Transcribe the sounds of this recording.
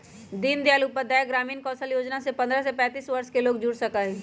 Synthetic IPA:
d̪iːnd̪jaːlupəd̪ajəɡɾaːmiːnkɔːsəljoːd͡ʒnasepɐ̃nd̪ɾəsepɛ̃ːt̪iːsʋɐɾʃkeloːɡd͡ʒuːɽsɐkaɦɛ̃ː

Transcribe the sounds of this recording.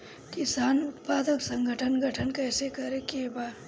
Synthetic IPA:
kɪsaːnʊt̪paːd̪əksə̃ŋɡʱəʈʰənɡʱəʈʰənkɛːsekɐɾekeːbaː

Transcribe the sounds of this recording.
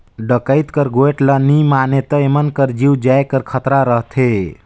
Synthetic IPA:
ɖəkəjt̪kəɾɡoeʈlənimanet̪əemənkəɾd͡ʒiwd͡ʒaekəɾkʰət̪ɾaɾəɦt̪ʰe

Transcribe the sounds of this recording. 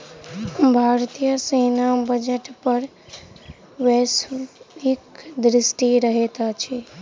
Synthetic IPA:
ɦəmbʱaɾt̪ijəsenabəd͡ʒeʈpəɾ | wesɾikd̪ɾisʈiɾəɦet̪at͡ʃʰi

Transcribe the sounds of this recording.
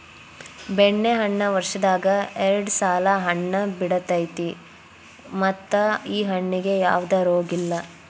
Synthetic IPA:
beɳːeɦɐɳːɐʋɐɾʂɐd̪aːɡɐɛɾɐɖsaːlɐɦɐɳːɐbiɽɐt̪ɐjt̪i | mɐt̪ːɐiːɦɐɳːiɡe̞ja̰ːʋd̪ɐɾoːɡilːɐ

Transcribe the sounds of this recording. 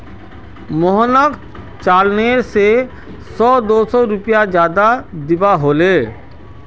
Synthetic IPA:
mʊɦənək | t͡ʃaːlneːɾse | sɔːd̪oːsɔɾʊpjad͡ʒjaːd̪ad̪ɪbaɦoːleː

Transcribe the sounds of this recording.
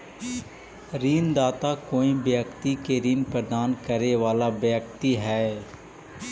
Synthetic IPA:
ɾiːnd̪aːt̪akoːĩbjəkt̪ikeɾiːnpɾəd̪aːnkəɾeʋaːlabjəkt̪iɦɛː

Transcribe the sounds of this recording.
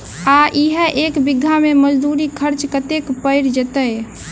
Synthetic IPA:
aʔiɦəʔekbiɡʱːameməd͡ʒd̪uɾikʰəɾt͡ʃkət̪ekpəɪɾd͡ʒet̪əj

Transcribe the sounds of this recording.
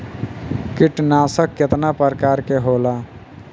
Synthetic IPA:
kiʈnasəkːet̪napəɾkaːɾkeɦola

